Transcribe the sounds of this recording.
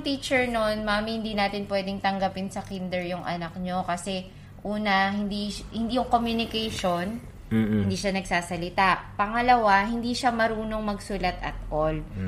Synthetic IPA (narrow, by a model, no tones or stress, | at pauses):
ŋt̪iːt͡ʃɛɹnonmaːmɪhɪnd̪iːnaːt̪ɪnpwɛːd̪ɪŋt̪ɐŋɡɐpɪnsɐkind̪ɛɹjʊŋʔɐ̰nɐk̚ɲokɐsɛ | ʔuːnɐhɪnd̪ihɪnd̪iːjʊŋkomjʊnɪkɛjʃo̞n | hɪnd̪iːʃanɐɡsaːsɐlɪt̪apɐŋɐlɐwaɦɪnd̪iːʃamɐɾuːno̞ŋmɐɡsulɐt̪ɐ̰t̪̚kol